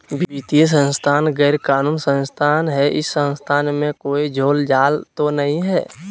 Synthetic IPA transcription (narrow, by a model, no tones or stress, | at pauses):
bbit̪is̬ə̃nst̪ʰaːnɡɛːɾkaːnuːnsə̃nst̪ʰaːnɦɛʔɪsːə̃nst̪ʰaːnmẽkoːid͡ʒʱoːld͡ʒaːlt̪onəɦĩɦɛː